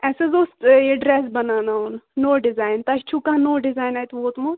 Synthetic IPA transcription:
ɛːsezoːst̪eɖɾeːsbɐnaːnaːunnoːɖɪzaːjnt̪ɐt͡ʃt͡ʃʰukãnoːɖɪzaːjnaːjt̪ʋoːt̪mo

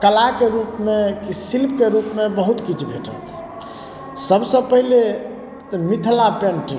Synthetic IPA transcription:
kəlakeɾupmekisilp̚ʰkeɾupmebəɦut̪kit͡ʃʰbʱeʈə̰t̪ʰ | səbsə̃pəɦile | t̪əmit̪ʰlapenʈi

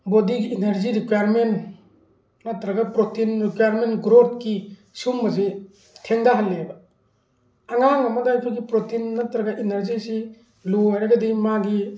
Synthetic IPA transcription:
bodiɡiːneɾziɾikwajaɾmen | natɾɐɡapɾotinɾikwajaɾmenɡɾot̚ki | sumbɐze | tʰeŋdaɦalːeba | aŋaŋamadaajkʰɯɡipɾotinːatɾɐɡaʔineɾzisi | luaɾaɡɐdimaɡi

